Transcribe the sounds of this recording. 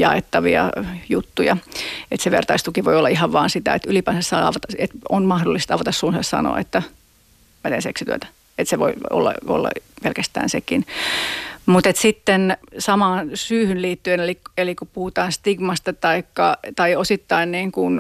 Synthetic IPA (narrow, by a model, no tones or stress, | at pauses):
jɑ̰ḛt̪ːɑʋḭɑ̰jut̪ːujɑet̪seʋḛrt̪ɑist̪ukiʋoiolːɑihɑʋʋɑːnsit̪æ̰et̪ylipæːnsessɑːɑ̰ʋɑt̪ɑet̪onmɑhdolːˑist̪ɑʋot̪ɑssuːnsɑssɑ̰no̰ɑ̰ḛt̪ːæ | mæt̪eːnseksit̪yøt̪æ̥ | et̪seʋoio̰lːɑ̰o̰lːɑ̰pelkæst̪æ̰ːnsekin | mut̪et̪sit̪ːensɑmɑːnsyːhynliːt̪ːyenelikelikupuhut̪ɑːnst̪iɡmɑst̪ɑt̪ɑikːɑt̪ɑiosit̪ːɑinniːŋkun